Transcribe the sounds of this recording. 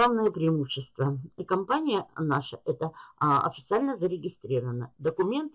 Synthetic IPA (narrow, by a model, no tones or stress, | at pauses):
avnəjəpɾʲɪɪmuɕːɪst̪vəikɐmpanʲɪjənaʂə̰ʔɛt̪əɐ̰fʲɪt̪sɨalʲnəzəɾʲɪɡʲɪst̪ɾʲiɾəvənəd̪əkʊmʲe̞nt̪